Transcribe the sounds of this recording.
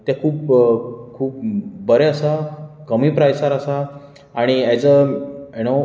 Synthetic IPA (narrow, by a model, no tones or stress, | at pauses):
t̪jakʰuːpkʰuːp̚bəɾɛəsakəmiːpɾajsaɾəsa | aɽ̃iɛt͡səjno